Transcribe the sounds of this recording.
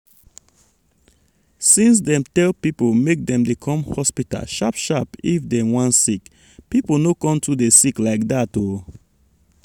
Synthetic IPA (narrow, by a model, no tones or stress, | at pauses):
sĩns̬dɛ̃mtɛlpipomek̚dɛ̃mdekʰɔ̃mhɔspita̰lʃapʃapifdɛwɔ̃nsik | piponokɔ̃mtʰudesiklaɪk̚dato